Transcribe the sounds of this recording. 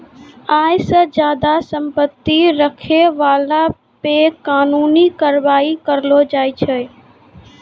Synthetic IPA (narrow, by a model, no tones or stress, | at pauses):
aːjsə̃d͡ʒjaːd̪asəmpət̪ːiɾəkʰeʋaːla | pekaːnuːnikəɾbaːikəɾlod͡ʒaːjt͡ʃʰə